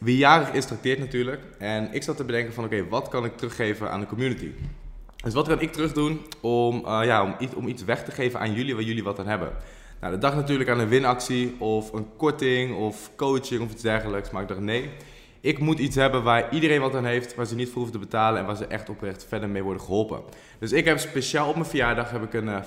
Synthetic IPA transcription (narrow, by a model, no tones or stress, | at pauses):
ʋijaːrəχɪstrɑk̚tɪːɹtnatyːɹlək | ɛnɪksɑtəbədɛŋkənvɑnowkejʋɑtkɑnɪk̚trøχːejvənʔa̰ːndəkɔmjunətḭ | døsʋɑtkɑnɪk̚tərɵχdunɔmjaɔmɔ̰mitsʋɛχtəχejvənʔa̰ːnjɵliʋaːɹjɵliʋɑtaːnɦɛbə̰n | na̰wdədɑχnatyːɹləkaːnənʋɪnɑksiɔfənkɔɹtɪŋɔfkowt͡ʃɪŋɔfitzdɛɹχələksmaːɪɡ̚dɑχnej | ɪkmutitsɦɛbənʋaːɹidərejnʋɑtaːnɦejftʋaːɹzənitfərufətəbətaːlənɛ̰nʋaːɹzəʔɛχtɔprɛχtfɛɹdəɹmejʋɔɹdəχəɦɔlˠpə̰ | d̥øsɪkɦɛpspeʃaːlˠɔpmənvəjaːɹdɑχɦɛpɪkən